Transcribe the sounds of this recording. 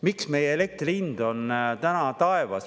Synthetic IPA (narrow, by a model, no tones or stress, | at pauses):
miksme̞jeele̞k̚t̪rind̪̥o̞nt̪ænɑt̪ɑevɑ̰s